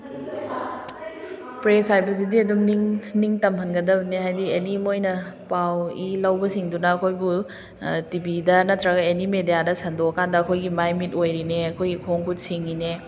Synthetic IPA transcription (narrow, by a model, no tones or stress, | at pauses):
pɾesajbɐs̬idiɐdumniŋniŋtɐmɦɐnɡɐdɐbɐneɦajdienimojnɐpawilɐwbɐsiŋdunɐːkʰojbu | tibidɐnɐtʰɾɐɡɐenimedijadɐsɐndoɐkʰandɐːkʰojɡimajmit̚ojɾineɐkʰojɡikʰoŋkʰusiŋine